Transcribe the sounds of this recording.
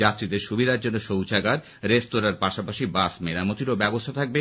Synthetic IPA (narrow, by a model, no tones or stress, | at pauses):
at̪ːɾid̪eɾʃubid̪aɾd͡ʑonːoʃowt͡ɕaɡaɾ | ɾestoɾaɾpaʃapaʃibasmeɾamot̪iɾobɛbost̪ʰat̪ʰak̚be